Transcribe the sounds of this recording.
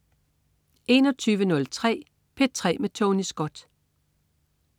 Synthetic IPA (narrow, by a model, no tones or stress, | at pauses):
e̝ːnɒ̽t͡sʰyːʋənɔ̽lt͡sʰʁɛ̰ː | pʰe̝d̥̚t͡sʰʁɛ̰ːmet͡sʰɔnisɡ̥ɒ̽d̥